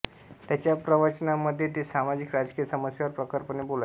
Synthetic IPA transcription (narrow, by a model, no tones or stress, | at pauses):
t̪jat͡ɕjapɾəʋət͡ɕənaməd̪ʱːjet̪̬iːsamad͡ʑikɾad͡zkijəsəməsjaʋəɾpɾəkəɾpənebola